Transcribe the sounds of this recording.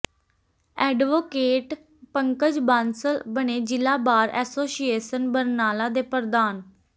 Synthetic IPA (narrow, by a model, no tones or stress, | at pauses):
ɛːɖʋoːkeːʈ | pəŋkəd͡ʒbaːnsəlbəɳeːd͡ʒɪlaːbaːɾɛ̰ːsoːsijeːsənbəɾnaːlaːd̪eːpəɾd̪aːn